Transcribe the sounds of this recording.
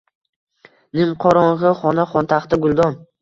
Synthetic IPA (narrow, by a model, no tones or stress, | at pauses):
nɪmqʰɒɾɒɴʁɨχɒnaχɒnt̪ʰaχt̪ɪɡʊlˠd̪ɒm